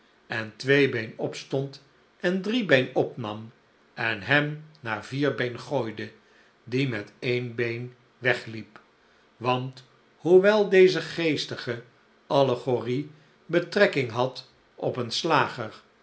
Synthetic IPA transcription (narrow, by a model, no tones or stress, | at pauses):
ɛntʋejbejnɔpstɔnt | ɛndribejnɔpnɑm | ɛnɦɛmnaːɹviːɹbejnχoːjdə | dimɛtejnbejn | ʋɛχlip | ʋɑnt | huʋɛlˠdejzəχejstəχə | ʔɑləχori | bətrɛkɪŋɦɑt | ɔpənslaːχəɹ